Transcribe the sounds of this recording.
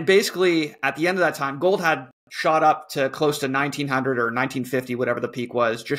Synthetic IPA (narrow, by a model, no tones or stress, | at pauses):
nbeɪsɨ̥kliɨt̪̚ðiɛ̃ndʌvðɨtʰãɪ̃mɡoʊlˠd̚əd̚ | ʃɑɾʌp̚tʰɨkʰl̥oʊstʰɨnãɪ̃ntʰĩnɦʌ̃ndɹəɾə˞nãɪ̃ntʰĩnfɪftiwʌɾɛvə˞ðəpʰikwʌzd͡ʒʌ